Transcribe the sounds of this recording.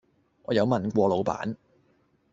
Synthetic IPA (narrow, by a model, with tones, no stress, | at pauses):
ŋɔː˨˧jɐ˨˧wmɐ˨nkʷɔː˧lo˨˧wpa̰ː˨˥n